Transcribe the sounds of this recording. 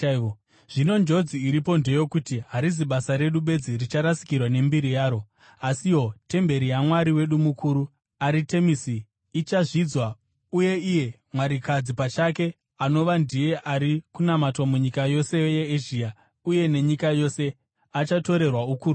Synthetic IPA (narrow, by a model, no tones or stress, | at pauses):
ʐ̥ino̞nd͡ʒo̞d͡ziːɾipo̞nde̞jo̞kutiɦaɾiziɓasaɾe̞ɗuɓe̞d͡zirit͡ʃaɾasi̥kirwane̞mbiɾijaːɾo̞ | asiwo̞te̞mbe̞ɾijamwaɾiwe̞ɗumukʰuːɾu | aɾite̞misiː | t͡ʃaʐid͡zwa | uje̞ije̞ | mwaɾikad͡zipat͡ʃake̞ | ano̞ʋandije̞ʔaɾikunamatwamuɲikajo̞se̞jeeʒiːa | uje̞ne̞ɲikajo̞se̞ | at͡ʃato̞ɾe̞rwaukuːɾu